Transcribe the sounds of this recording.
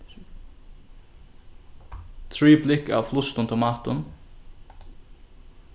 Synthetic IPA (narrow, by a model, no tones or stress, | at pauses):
t̪ʰɾiːplɪka̰ːʋflʊst̪ʊnt̪ʰɪmɑːt̪ʊn